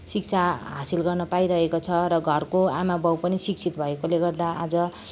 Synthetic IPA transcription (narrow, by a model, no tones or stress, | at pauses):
sik̚t͡sʰaɦasilɡʌrnʌpajɾʌɦekot͡sʰʌɾʌɡʱʌrkoamabʌwpʌnisik̚t͡sʰit̪bʱʌekoleɡʌrd̪aʔad͡zʌ